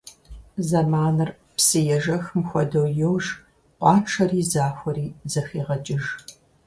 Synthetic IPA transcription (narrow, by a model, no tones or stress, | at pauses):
zɐmaːnɨr | psɨjɛʒɐxmxʷɔdɐwjɛwʒ | ʔʷɑːʈ͡ʂʰɐriːzaːxʷɔɾiːzɐxiːʁɐt͡ʃʼɪʒ